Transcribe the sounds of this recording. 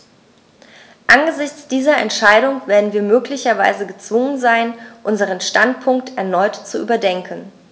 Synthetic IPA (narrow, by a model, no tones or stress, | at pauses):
ʔanɡəzɪçt͡sd̥iːzɐɛ̰ntʃaɪɾʊŋveːɐdn̩viːɐmøːklɪçɐva̰ɪzəɡət͡sv̥ʊŋənzaɪnʔʊnzəʁ̞ənʃtantpʰʊŋktʰɛɐnɔʏtt͡suʔy̰ːbɐdɛŋkʰən̩